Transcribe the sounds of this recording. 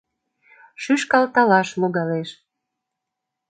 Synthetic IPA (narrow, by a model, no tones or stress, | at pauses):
ʃyʃkɑlt̪ɑlɑʃloɣɑleʃ